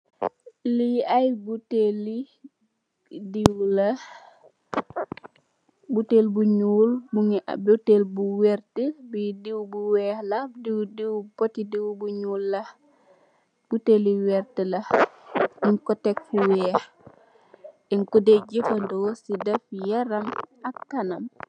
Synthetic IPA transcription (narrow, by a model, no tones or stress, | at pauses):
liajbuteli | diwlɐ | butelbuɲuːlbuŋ̰butelbuwɛrtəbidiwbuwɛːhlɐdiwdiwbotidiwbuɲuːlːɐh | b̥uteliwɛɾtəlɐh | iŋkɔtɛk̚fuwɛːx | iŋkɔdeɟifɐndɔːsidɛfjɐɾɐmɐkːɐnɐm